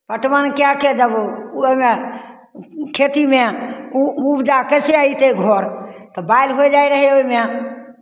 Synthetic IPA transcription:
pəʈmənkjaked͡ʒəbme | kʰet̪imẽ | ubd͡ʒakəseãit̪eɡʱɔɾt̪ɔbajlɦoed͡ʒaiɾəɦeomẽ

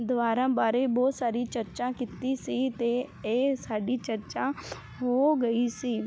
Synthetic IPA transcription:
d̪ʊʋaːɾãːbaːɾeːbɔːt̪saːɾiːt͡ʃəɾt͡ʃãːkit̪iːsiːt̪eːeːsaːɖiːt͡ʃəɾt͡ʃãː | ɦoːɡəiːsiː

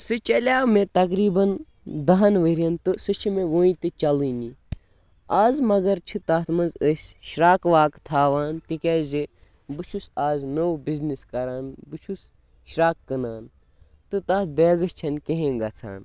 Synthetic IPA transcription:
sɨt͡ʃɐlʲaːmẽt̪ɐk̬ɾiːbɐn | d̪ɐɦɐnʋəɾʲjɐnt̪ɨsɨt͡ʃʰimẽʋoːĩt̪ɨt͡ʃɐliːni | aːzmɐɡɐɾt͡ʃʰɨt̪ɐt̪ʰmɐnzəsʲʃɾaːkʋaːkt̪ʰaːʋaːnt̪ikʲaːze | bɨt͡ʃʰusaːznowbizniskɐɾaːnbɨt͡ʃʰus | ʃɾaːkːɨnaːn | t̪ɨt̪ɐːt̪̚beːɡɨst͡ʃʰɐnkeɦẽːŋɡɐt͡sʰa̰ːn

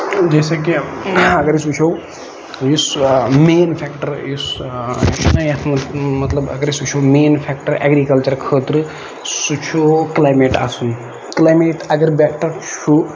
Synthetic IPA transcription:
d͡ʒeːsɐkiɐɡɐɾisut͡ʃʰow | jusmeːnpʰekʈɐɾjus | nɐjɐt̪ʰmmɐt̪lɐbɐ̰ɡɐɾisut͡ʃʰowmeːnpʰeːk̚ʈɐɾḛɡɾiːkɐlt͡ʃɐɾkʰəːt̪ɾɨ | sut͡ʃʰoklaːjmeʈa̰ːsun | klaːjmeːʈʰɐɡɐɾbekʈɐɾt͡ʃʰu

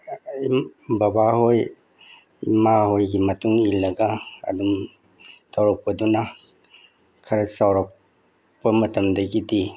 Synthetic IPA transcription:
ibabahoj | imahojɡimɐtuŋilɐɡa̰ːdum | tʰawɾap̚pɐduna | kʰɐɾɐsawɾak̚ | pɐmɐtɐmdɐɡidi

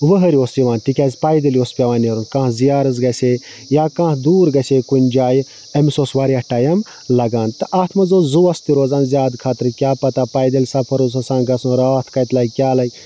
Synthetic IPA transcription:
ʋəɦɐɾioːsiʋaːnt̪ikʲɐːzʲpaːjd̪ɐlʲjoːspʲɐʋaːneɾunkãːɦzijaːɾɨzɡɐsʲe | jaːkãːɦd̪uːɾɡɐseːkunʲd͡ʒaːj | ɐmisoːsʋaːɾiɐhʈaːjɐm | lɐɡaːnt̪ɨʔaːt̪ʰmɐzoːzuːɐst̪iɾoːzaːnzjaːd̪kʰaːt̪ɾkʲaːpɐt̪apaːjd̪ɐlʲsɐpʰɐɾusɐsãːnɡɐsũɾaːt̪ʰkɐjt̪laːikʲjaːlɐi

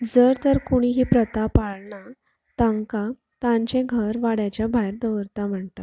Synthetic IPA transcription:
d͡zəɾt̪əɾkuɽ̃iɦiːpɾət̪apaɭɳa | t̪aŋka | t̪ãɲt͡ɕɛ̃ɡʱəɾʋaɽjat͡ɕjabʱajɾd̪əʋəɾt̪am̤əɳt̪a

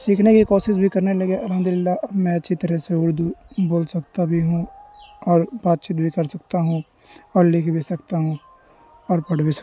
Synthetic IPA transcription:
siːkʰnekikɔːʃɪs̬bʱikɐɾnelɐɡeʔɐlɦəmd̪ʊlɪlːaʔɐbmɛ̃ɐtːʃʰit̪ɐɾəseʊɽd̪uboːlsɐk̚t̪abʱiɦũɔːɾbaːt̪̚t͡ʃit̪̚bʱikɐɾsɐk̚t̪aɦũ | ɔːɾlɪkʰbesɐkt̪aɦũ | ɔːɾpɐɽ̤ʋisɐ̥

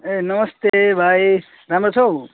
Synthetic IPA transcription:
enəməst̪ebʱaj | ɾamɾot͡ʃʰow

